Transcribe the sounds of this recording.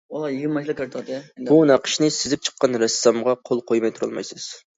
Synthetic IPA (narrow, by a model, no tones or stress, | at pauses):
olˠjiɡʲɪmɑʃlˠɨkʰeɾt̪ʰɑd̪ɨbunɑqʰə̥ʃnɪsɪzɪp̚t͡ʃʰə̥qːɑnɾɛsːɑmʁɑqʰolˠqʰojmɑjt̪ʰuɾɑ̰lˠmɑ̰jsɨz̥